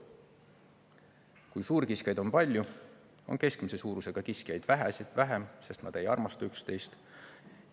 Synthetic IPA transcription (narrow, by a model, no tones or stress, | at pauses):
kujsuːɾkiskjɑjd̪̥o̞npɑlʲju | o̞̰nke̞skmise̞suːɾuse̞ɡ̥ɑkiskijejd̪̥væɦæsit̪væɦemse̞st̪nɑd̪̥e̞jɑrmɑst̪ɑykst̪e̞jst̪